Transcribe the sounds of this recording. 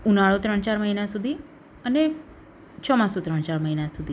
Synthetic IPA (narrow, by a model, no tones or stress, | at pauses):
unaɭot̪ɾəɳt͡ɕaːɾməɦinasud̪ʱiː | ane | t͡ɕʰɔmãsut̪ɾəɳ̃t͡ɕaɾməɦinasud̪ʱi